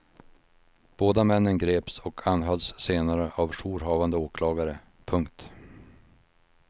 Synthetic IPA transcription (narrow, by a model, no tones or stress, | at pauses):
b̥oːd̪amɛnːənɡɾeːpsɔkʰanɦœlsːeːnaɾəʔavʂuːɾɦɑːvand̪əoːkʰlɑːɡaɾə | pʰɵŋk̚t̪